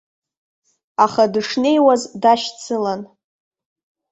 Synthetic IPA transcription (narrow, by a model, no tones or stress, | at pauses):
aχadɨʂne̞jwazdaʃt͡sʰɨlan